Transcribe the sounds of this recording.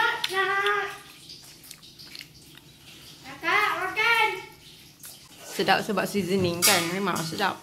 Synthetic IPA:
na | akaʔwakan | sədap̚səbap̚sizəniŋkanmemãŋs̬əda̰p̚

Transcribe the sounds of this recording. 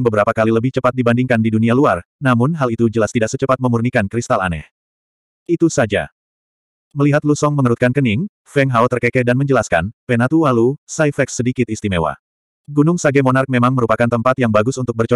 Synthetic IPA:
ŋbəbəɾapakaliləbɪht͡ʃəpat̪̚dibandiŋkandidunialuarnamʊnɦalit̪ud͡ʒəlast̪idaʔsət͡ʃəpat̪̚məmurnikankɾist̪ala̰nɛ̰h | ʔit̪usad͡ʒa̰ | məliɦat̪̚lusɔŋməŋəɾut̪̚kankənɪŋ | fɛŋɦawt̪ərkɛkɛdanməɲd͡ʒəlaska̰npɛnat̪uwalusaijfɛksədikɪt̪̚ist̪imewa̰ | ɡunʊŋsaɡɛmonark̚memaŋməɾupakant̪əmpat̪jaŋbaɡʊsunt̪ʊk̚bərt͡ʃ

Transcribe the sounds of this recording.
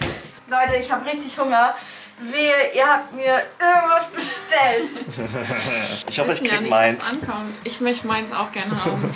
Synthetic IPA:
lɔʏtəɪçhaːbəʁɪçtɪçhʊŋɐ | viːʔiːɐhap̚tmiːɐɪɐɡŋ̩tv̥asb̥əʃtɛlt | ʔɪçhɔfəɪçimaɪnʔankʰɔmʔɪçmœçtəmaɪnsa̰ʊxɡ̥ɛɐnəhaːbm̩

